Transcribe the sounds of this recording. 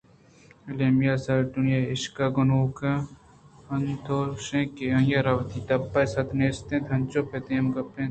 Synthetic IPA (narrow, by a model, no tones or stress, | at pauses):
ɐlemijasɐɾʈunjaɪʃkaɡonoːka | ɐnt̪ʰoʃẽːkeɐ̃jaɾɐwɐt̪it̪ɐpːɐsɐt̪neːst̪ẽt̪ʰɐnt͡ʃopet̪ẽːmɡɐpːẽ